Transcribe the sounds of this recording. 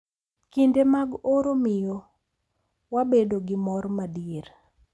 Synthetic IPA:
kindemaɡoɾomɪjo | wabedoɡɪmɔɾmadieɾ

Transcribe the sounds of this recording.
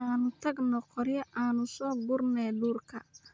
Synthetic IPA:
aːnʊt̪ʰɐɡnɔqʰɔɾjɐʔʔaːnʊsɔːɡʊrnɛːluːrkʰɐ

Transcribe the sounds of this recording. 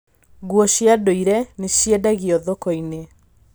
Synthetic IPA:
ɣuɔɕiadoiɾɛneɕiɛdaɣiɔðokɔine

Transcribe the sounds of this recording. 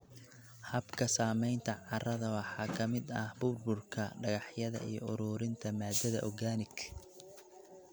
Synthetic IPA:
hɐbkʰɐsaːmɛjnt̪ʰɐʕɑrɐðɐwɑħɑːkʰɐmɪd̪ɐhbʊrbʊrkʰɐɖɐɣɑħjɐðɐ̰ʔḭjɔ̰ʔʊɾʊːɾɪnt̪ʰɐmaːd̪ɐðɐ̰ʔɔɡaːnɪɡ

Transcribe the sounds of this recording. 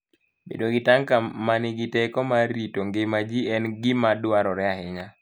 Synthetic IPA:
bḛdoɡɪtaŋkamanɪɡɪtekɔmaɾitoŋɡemad͡ʒiɛnɡɪmadwaɾɔɾɛaɦɪɲa

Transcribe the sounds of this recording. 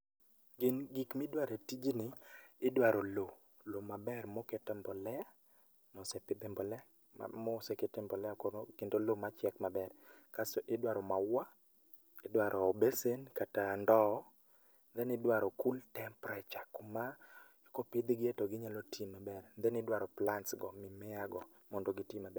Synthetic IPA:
ɡɪnɡikmɪdwaɾetid͡ʒinɪɪdwaɾɔlo | lomabɛrmɔkɛtɛmbɔlɛa | mɔsɛpɪbɛmbɔlɛa̰ | mɔsɛketɛmbɔlɛakonokɪndolomat͡ʃjɛkmabɛrkasɔʔɪdwaɾɔmawa | ɪdwaɾʔɔbesenkatandɔ | nd̪ɛnɪdwaɾɔkultɛmpɾat͡ʃakoma | kopid̪ɡɪetoɡɪɲalotʰimabɛrnd̪ɛnɪdwaɾɔplansɡɔmɪmɛaɡɔ | mɔndoɡɪtimabɛ

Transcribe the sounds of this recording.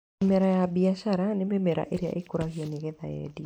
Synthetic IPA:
mɛɾajabiaʃaɾanemɛmɛɾa̰ʔeɾea̰ʔekoɾaɣiɔneɣɛðaɛ̰di

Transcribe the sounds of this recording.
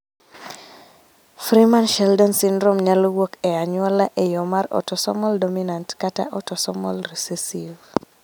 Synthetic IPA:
fɾimanʃɛldɔnsindɾomɲalowokɛaɲwɔlaʔɛjɔmaɾɔ̰tɔsɔmɔldominantkata̰ʔɔtɔsɔmɔlɾisesiv

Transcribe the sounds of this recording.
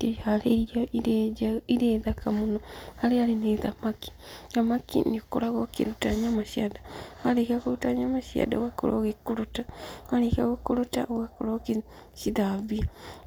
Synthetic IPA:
ehaɾeɾiaiiɾeːðakamunoaɾeaɾeneðamaki̥ | ɣamakḭniko̰ɾaɣokḭɾutaɲamaʃiadaaɾekakuɾutaɲamaʃia̰da̰wako̰ɾo̰ɣekuɾutaaɾekaɣokuɾutawakoɾoki | ʃiðaβia

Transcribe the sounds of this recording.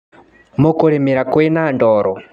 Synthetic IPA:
mukuɺimiɾakwɛnandɔːɾɔ

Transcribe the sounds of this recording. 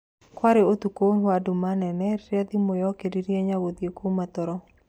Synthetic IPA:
kwaɾeot̪ukonwadʊmanɛnɛjad̪imojɔkediɾjaɲawod̪jekomat̪ɔɾɔ

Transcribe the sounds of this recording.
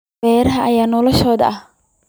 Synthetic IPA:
ɛːɾɐɦɐʔɐjaːnɔlɔʃɔːðɐ̰ʔɐh

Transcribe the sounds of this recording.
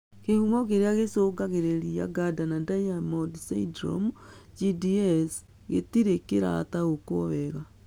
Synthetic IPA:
kehumɔkeɾeaɣesoːɡaɣeɾeɾia̰ɡadanadajamodsa̰dɾo̰md͡ʒidiɛs | ɣḛtiɾekeɾa̰taɣokwɔβɛɣa

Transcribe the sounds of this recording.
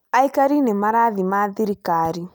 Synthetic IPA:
aikaɾinɛmaɾaðimaðiɾikaɾi

